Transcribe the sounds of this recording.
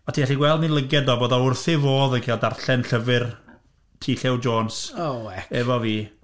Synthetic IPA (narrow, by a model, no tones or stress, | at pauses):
ɔtʰiːɡɛɬiɡwɛlˠdnilˠəɡɛdɔboːðɔʊrθɪvoːðənkʰeːlˠdarɬɛnɬəvɨr | tʰiːɬɛwd͡ʒoːnsoɛɛvɔviː